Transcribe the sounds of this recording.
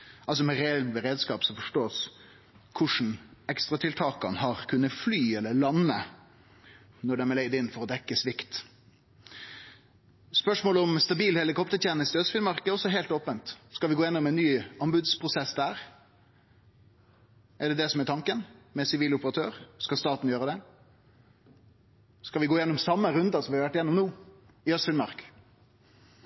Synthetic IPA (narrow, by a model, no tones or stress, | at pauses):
ʔɑls̬ɔmɛɾɛɛlbəɾeːd̪skɑːpsɔfɔʂʈoːs | kʰʊʂn̩ɛkst̪ɾɑt̪ʰɪlt̪ʰɑːkɑnɦɑʁkʰʉnːəflyːɛlːəlɑnːə | nɔɖɛmɛɭɛɪd̪ɪnːfɔɾɔd̪ɛkːəsʋɪkt̪ | spœʂmoːləɔmst̪ɑbiːlhɛlɪkɔpt̪ət̪ʰjɛːnɪst̪øsfɪlmɑɾkəɔsɔɦeːlt̪oːpənt̪skɑʋɪɡoːjɛnːɔmɛnːyːɑnbʉd̪spʰʁʊsɛsd̪æːɾ | ɛɖɛd̪ɛsɔmɛt̪ʰɑŋkənmɛsɪʋiːlʊpəʁɑt̪ʰøːɾskɑlst̪ɑːt̪n̩jøːɾəd̪ɛ | skɑʋɪɡoːjɛnːɔmsɑmːəɾʉnd̪ɑsɔmʋɪhɑɾʋæʈːɪjɛnːɔmnuː | ɪœst̪fɪlmɑɾk